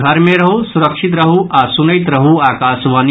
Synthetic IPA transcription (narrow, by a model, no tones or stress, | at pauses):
ɡʱɐɾmẽɾɐɦusuɾɐkʃit̪̬ɾɐɦuʔaːsunɐit̪ɾɐɦuaːkaːsʋaːn